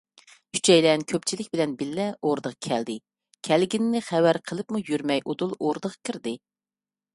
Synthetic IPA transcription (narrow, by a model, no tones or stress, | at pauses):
kʲʰy̥t͡ʃʰɛjlɛnkʲʰøp̚t͡ʃʰilɪkʲbɪlɛnbɪlːɛoɾd̪əʁɑkʲʰæld̪ɪ | kʲʰælɡʲinːɪχæwæɾqʰəlˠɨpmujyɾmɛjʔod̪ulˠoɾd̪əʁɑkʰʲiɾd̪ɪ